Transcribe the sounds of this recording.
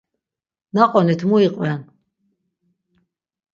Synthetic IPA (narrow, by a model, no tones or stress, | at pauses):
naqʼɔnit̪ʰmuiqʼwɛn